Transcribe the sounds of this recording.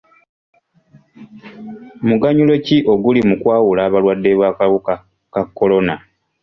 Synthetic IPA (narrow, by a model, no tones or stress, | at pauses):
muɡaɲulo̞ciʔo̞ɡulimukwaːwulaːβalwadːe̞βwaːkawuka | kakːo̞lo̞na